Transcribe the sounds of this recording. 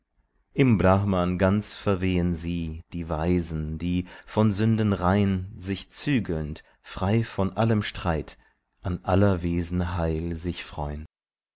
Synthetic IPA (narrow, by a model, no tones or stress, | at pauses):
ʔɪmblaχmanɡant͡sfɛɐveːənziːd̥iːvaɪzn̩d̥iːfɔnzʏndənʁaɪnzɪçt͡syːɡl̩nt | fʁ̥aɪfɔnʔaləmʃtʁ̥aɪt | ʔanʔalɐveːzn̩ɦaɪlzɪçfʁ̥ɔʏən